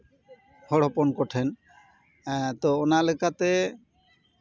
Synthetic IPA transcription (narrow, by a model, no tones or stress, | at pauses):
hɔɽɔpɔnkɔʈʰɛn | t̪ɔːnalɛkʰat̪ɛ